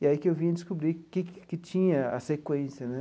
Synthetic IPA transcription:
iaikɪewvĩɲɐd͡ʒ̪ɪskubɾikɪkkɪt͡ʃĩɲɐɐ̰sekwẽsjɐnɛ

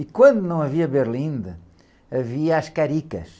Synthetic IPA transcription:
ikwɐ̃nd̪unɐ̃w̃ɐviɐβeɾlˠĩnd̪ɨ | ɐviɐaʃkɐɾikɐʃ

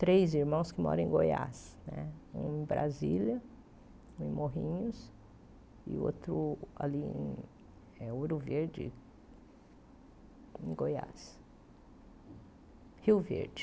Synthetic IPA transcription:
t̪ɾejziɾmɐ̃w̃skɪmɔ̰ɾɐ̃ẽɡoja̰snɛũẽbɾʔa̰zilɐ | ũẽmoɦĩɲʊs | ɪ̰o̰t̪ɾʊaliẽ | ɛoɾʊveɾd͡ʒɪ̰ | ẽɡoja̰s | hiwvḛɾd͡ʒɪ

